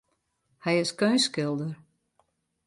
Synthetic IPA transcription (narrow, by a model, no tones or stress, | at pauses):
hɛjɪskøːnskɪlˠdər